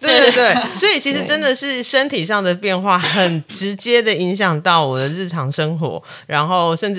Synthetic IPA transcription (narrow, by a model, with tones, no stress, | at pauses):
t̪wt̪we˥˧t̪we˥˩ɪswɔ˧˥i˨t͡ɕʰi˧˥ʂ̬̩˧˥ʈ͡ʂə˦nd̪ə˨ʂɻ̩˥˩ʂə˦nt̪ʰi˨˩ʂɑ˥˩ŋd̪ə˩pjɛ˥˧nxwa˥˩xə˨˩nʈ͡ʂɻ̩˧˦˥t͡ɕjɛ˦˥d̪ə˨i˧˥ŋɕ̬jɑ˨˩ŋt̪ɑ˥˩ʊwɔ˨˩d̪ə˦ɻɻ̩˥˩ʈ͡ʂʰɑ˧˥ŋʂə˦ŋxwɔ̰˧˥ | ɻa˧˥nxo˥˩ʊʂə˥˧nʈ͡ʂ̩˥˩